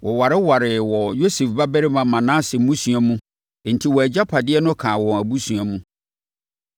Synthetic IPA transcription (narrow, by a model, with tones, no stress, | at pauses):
wʔɔ˨wa˨ɾɪ˦wa˨ɾɪ˨wɔ˨jo˦sɛ˨fba˦bæ˦ɾɪ˦mã˨mã˨nãː˦sɪ˨m̩˦mũ˦sũ˨a˨mũ˦˨ | n̩˨tʰi˨wɔ˨æ˨d͡ʑa˦pʰa˨dɪ˦ɛ˦nʊ̃˦kʰãː˨wɔ̃˨æ˨bu˦su˨a˨mũ˦